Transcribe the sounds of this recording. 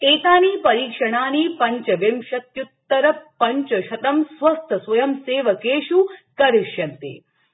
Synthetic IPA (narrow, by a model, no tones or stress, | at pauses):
t̪eːt̪aːniːpɐɾiːkʂɐɳ̃aːniːpɐɲt͡ʃɐʋjɐmʃɐt̪jut̪ːɐɾɐpɐɲt͡ʃɐʃɐt̪ɐmsʋɐst̪ʰɐsʋɐjɐmseːʋɐkeːʂukɐɾiʃjɐnt̪ḛː